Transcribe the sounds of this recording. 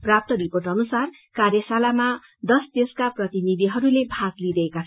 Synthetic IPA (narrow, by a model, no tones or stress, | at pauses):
prap̚t̪ʌɾiporʈʌnusar | karjʌsalama | d̪ʌst̪eskaprʌt̪inid̪iɦʌɾulebʱaɡlid̪ʌekat͡sʰ